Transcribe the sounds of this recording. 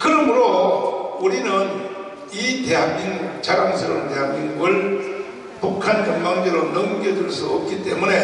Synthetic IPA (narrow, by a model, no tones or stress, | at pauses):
kɯɾʌmuɾo | uɾinɯn | iteɦak̚iŋɡuk̚sʰaɾamsʰɯɾonte̞ɦakiŋɡuɡɯɭ | pukʰankʌmmaŋd͡ʑeɾonʌmɡeduɭsʰuʌp̚k͈it͈e̞mune